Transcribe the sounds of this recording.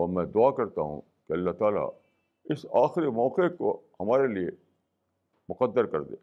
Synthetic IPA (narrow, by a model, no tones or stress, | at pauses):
ɔːɾmɛ̃ːd̪ʊaːkɐɾt̪aɦṵ̃ | keɐlːaɦt̪aːla̰ | ɪsaːxɾimɔːqeko̰hɐmaːɾelie | mʊqəd̪ːəɾkɐɾd̪ḛː